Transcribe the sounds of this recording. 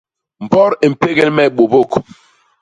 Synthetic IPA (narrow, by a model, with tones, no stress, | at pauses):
m̩˨bɔ˦ɾe˨m̩˨pe˦ɡɛ˦lmɛ˦˨ɓo˨bo˦˨k